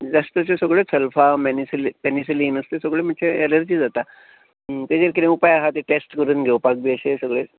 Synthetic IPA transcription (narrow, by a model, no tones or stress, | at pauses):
d͡zast̪əsesəɡɭet͡sʰəlfamenisilpenisiliːnəst̪esəɡɭem̤əɳsʰeeləɾd͡ʑiːd͡zat̪a | t̪ed͡ʑeɾkiɾẽupajaɦat̪eʈesʈkəɾuːnɡʱewpak̚biəsesəɡɭe